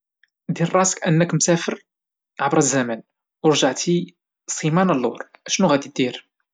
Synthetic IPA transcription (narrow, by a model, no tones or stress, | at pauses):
d̪irˤːɑsə̥kʔənːəkmsæfəɾ | ʕabɾˤəzːæmæn | wəɾˤʒaʕt̪ʰi | sˤimænəlːʊ̰ɾˤʔæʃnuɣæd̪id̪iɾ